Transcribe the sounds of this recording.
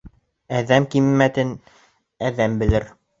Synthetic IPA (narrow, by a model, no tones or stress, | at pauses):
æðæmkimːæt̪ɘn | æðæmbɘ̆lɘɾ